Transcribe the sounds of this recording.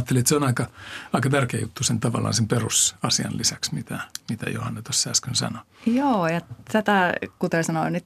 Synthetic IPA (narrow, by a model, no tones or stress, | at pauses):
t̪ːeliet̪seonɑikɑɑikɑt̪ærkeːjut̪ːusent̪ɑʋɑ̰lːˑɑ̰ːnsemperusɑsiɑ̰llisæksmit̪æmit̪æ̰jo̰hɑnːet̪osːæːskønsɑ̰no | joːjɑt̪æt̪ækut̪ersɑnonyt̪